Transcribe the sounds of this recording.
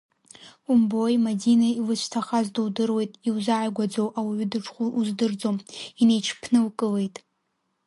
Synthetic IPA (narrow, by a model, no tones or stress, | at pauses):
umbojmadinailɨʃʷtʰaχazdɨwdɨrwe̞jtʼiwzaʕajɡʷad͡zowʔawiɥʏdɨʈ͡ʂχʷuuzdɨrd͡zomine̞jt͡ʃʰpʰnɨlkʼɨle̞jtʼ